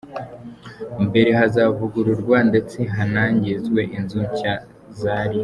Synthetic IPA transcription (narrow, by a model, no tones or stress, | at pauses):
mbe̞ɾe̞ɦazavuɡuɾuɾɡwande̞t͡se̞ɦanaːɲɟezɡwe̞ʔinzuɲca | zaːɾi